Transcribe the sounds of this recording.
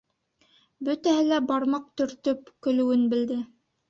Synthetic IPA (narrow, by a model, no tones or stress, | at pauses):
bɵt̪æhɘlæbɑɾmɑq̚t̪ɵ̆ɾt̪ɵp̚kɵ̆lɘ̆wɘnbɘ̆ld̪ɘ